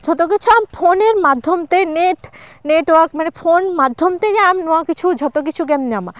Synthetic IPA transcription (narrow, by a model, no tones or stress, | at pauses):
d͡ʑʱɔt̪ok̬it͡ɕʰuamfʰoneɾmad̪ʱːomt̪eneʈneʈwaɾkmanefonmad̪ʱːomt̪ejɛamnɔakit͡ɕʰud͡ʑʱɔt̪ok̬it͡ɕʰuɡɛmɲama̰